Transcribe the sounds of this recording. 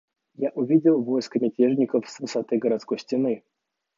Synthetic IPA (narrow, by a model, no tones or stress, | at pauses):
jaʔʊvʲidʲɪlˠvojskəmʲɪtʲeʐnʲɪkəfsvɨsat̪ɨɡəɾat̪sko̞jsʲtʲɪnɨ